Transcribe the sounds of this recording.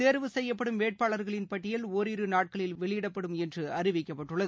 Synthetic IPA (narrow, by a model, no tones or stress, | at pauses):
eːɾʋɯsɛjːɐpːɐɽɯmʋeːʈ̚paːɭɐɾɣɐɭɪnpɐʈːɪjɐloːɾɪɾɯnaːʈ̚kɐɭɪlʋɛɭɪjɪɽɐpːɐɽɯmɛndrɯɐɾɪʋɪkːɐpːɐʈːɯɭːɐð